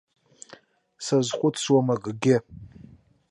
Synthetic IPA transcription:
sazχʷʊtʰswamaɡɡʲɪ

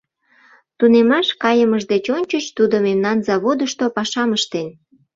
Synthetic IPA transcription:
t̪unemɑʃkɑjəməʒd̪et͡ɕonʲt͡ɕəʃt̪ud̪omemnɑnzɑβod̪əʃt̪opɑʃɑməʃt̪en

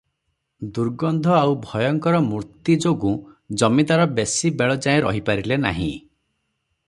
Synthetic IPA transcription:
d̪uɾɡɔnd̪ʱɔawbʱɔjɔŋkɔɾɔmuɾt̪id͡ʒoɡũ | d͡ʒɔmĩt̪aɾɔbesibeɭɔd͡ʒaĩɾɔ̰ɦipaɾilena̰ɦḭ̃

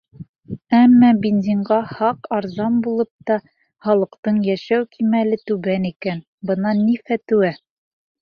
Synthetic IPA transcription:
æmːɑbind̪ʲiɴɢɑhɑqɑɾzɑnbulˠɤp̚t̪ɑ | χɑlˠɤ̆qt̪ɤɴjæʃæwkʰimælɘt̪ʉβænikæn | bɤ̆nɑnːifæt̪ʉwæ

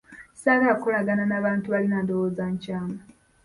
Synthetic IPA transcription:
saβakolaɡananaβaːntuβalinadowoːzaɲcaːma

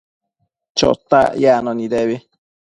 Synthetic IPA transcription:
t͡ʃo̰t̪a̰janoniɾeβi

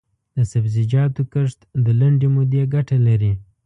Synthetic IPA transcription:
d̪̥əsabzɪd͡ʒɑt̪okəʂt̪d̪əlaɳɖemʊd̪eɡaʈalaɾi

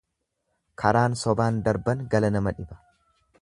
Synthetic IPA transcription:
kʰɐɾaːnsɔbaːnd̪ɐɾbɐnɡɐlɐnɐmɐᶑɪbɐ̥

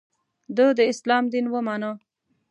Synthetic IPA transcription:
d̪əd̪əɪslɑmd̪inwəmɑnə

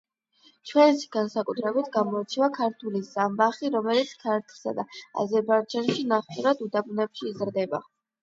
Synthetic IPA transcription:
t͡ʃʰwɛnsi̥ɡansakʼut̪ʰɾɛbit̪ʰɡamɔit͡ʃ̪ʰivakʰaɾt̪ʰulizambaχiɾɔmɛlit̪skʰaɾt̪ʰsa̰d̪aa̰zɛɾbaid͡ʒanʃinaχuɾad̪ud̪abunɛpʃiːzɾd̪ɛba

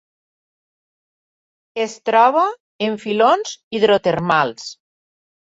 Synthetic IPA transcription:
est̪ɾɔβ̞a | eɱfilonziðɾot̪eɾmalˠs

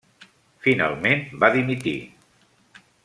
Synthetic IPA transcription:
fina̰lˠmenbaðimit̪ḭ

